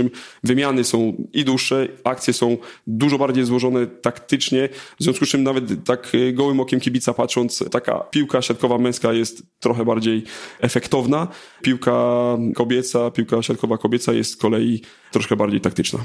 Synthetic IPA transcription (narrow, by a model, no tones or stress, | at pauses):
ɨmvɘmʲjanɘsɔ̃w̃id̪uʂːɛak̚t̪sʲjɛsɔ̃w̃d̪uʐɔbaɾd͡ʑejzwɔʐɔnɛt̪akt̪ɘt͡ʂɲɛvzvʲjɔ̃skust͡ʂɘmnavɛt̪ːakɡɔwɘmɔkʲɛmkʲibʲit̪sapatʂɔnt̪st̪aka̰pʲiwkaɕat̪kɔvamɛ̃w̃skajɛst̪ːɾɔxɛbaɾd͡ʑejɛfɛkt̪ɔvna | pʲiwkakɔbʲjɛt̪sapʲiwkaɕat̪̚kɔvakɔbʲjɛt̪sajɛ̰st̪skɔlɛji | ɾɔʂkɛbaɾd͡ʑejt̪ak̚t̪ɘt͡ʂna̰